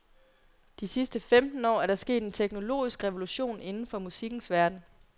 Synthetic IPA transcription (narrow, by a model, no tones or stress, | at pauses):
d̥isisd̥əfemd̥n̩ɒ̰ːæɐɾɑ̈sɡ̥e̝̰ːd̥e̝nt͡sʰeɡ̥no̝lo̝̰ːisɡ̥ʁɛʋo̝luɕo̝̰ːne̝nn̩fɒ̽musiɡ̥n̩sʋæɐd̥n̩